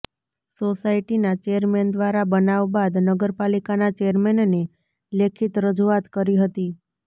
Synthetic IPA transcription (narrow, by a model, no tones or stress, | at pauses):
sosaiʈinat͡ʃeəɾmend̪ʋaɾabənaʋbad̪nəɡəɾpalikanat͡ʃeəɾmenne | lekʰit̪ɾəd͡ʒuat̪kəɾiɦət̪i